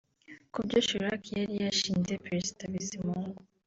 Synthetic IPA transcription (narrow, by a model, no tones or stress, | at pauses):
kubɟoːʃoɾakijaɾijaʃiːnzepɾesi̥taβisimuːŋɡu